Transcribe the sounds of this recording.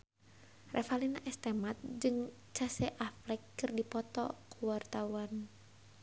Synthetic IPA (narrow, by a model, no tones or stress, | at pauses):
rʔɛfalinaʔɛst̪ɛmat̪̚d͡ʒɨŋ | t͡ʃasɛʔaflɛkːɨrdipɔt̪ɔ̰kuwart̪awan